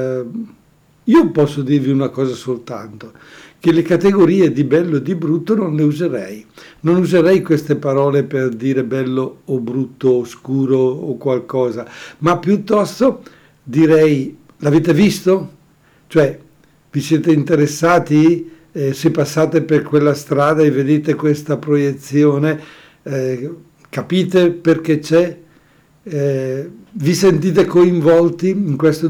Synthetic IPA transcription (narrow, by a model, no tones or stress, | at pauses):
iːopɔsːod̪irviunakɔːzasolt̪a̰nt̪o | k̟elekat̪eɡoɾiːed̪ibɛlːod̪ibɾut̪ːononleuzeɾɛ̰jnonuzeɾɛjkwest̪epaɾɔːleperd̪iːɾebɛlːoːbɾut̪ːoːskuːɾoːkwalkɔːzamapːjut̪ːɔst̪o | d̪iɾɛj | laveːt̪evist̪o | t͡ʃoɛ | visjɛːt̪eint̪eɾesːaːt̪i | sepːasːaːt̪eperkwelːast̪ɾaːd̪aevːed̪eːt̪ekwest̪apɾojet̪sːjoːne | kapiːt̪eperk̟et͡ʃɛ | visent̪̬iːt̪̬ekoiɱvɔlt̪iːŋkwest̪o